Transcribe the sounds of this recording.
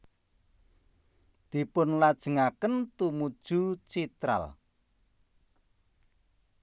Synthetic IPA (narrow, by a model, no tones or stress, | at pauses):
d̪̥i̤pʊnlad̥ʒ̥ə̤ŋakənt̪umud̥ʒ̥ut͡ʃit̪ɾa̰l